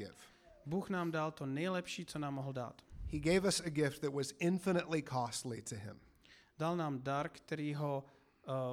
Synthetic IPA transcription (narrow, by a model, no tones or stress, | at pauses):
ɪ̰v̥ | buːxnaːmdalt̪onɛjlɛpʃiːt͡sonaːmːoɦl̩da̰ːt̪hiɡeɪvʌsɨɡɪft̪̚ðɨt̚wʌzɪ̃ɱfɨnɨʔˡlikʰɔstˡliɾɨɪ̰̃m | dalnaːmdaɾkt̪ɛɾiːɦo